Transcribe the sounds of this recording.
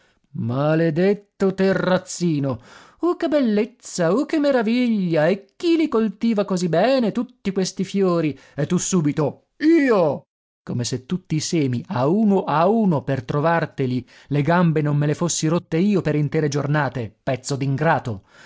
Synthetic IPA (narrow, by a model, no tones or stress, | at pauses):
maled̪et̪ːot̪erːat̪sːiːno | okebelːet̪sːaokemːeɾaviʎːaekːilikolt̪iːvakozibːɛːnet̪ut̪ːikwest̪ifjoːɾi | et̪ːusːuːbit̪o | iːo | komeset̪ːut̪ːiːsɛːmiʔauːnoʔauːnopert̪ɾovart̪eli | leɡambenomːelefosːiɾot̪ːeiːopeɾint̪ɛːɾed͡ʒornaːt̪epɛt̪sːod̪iŋɡɾaːt̪o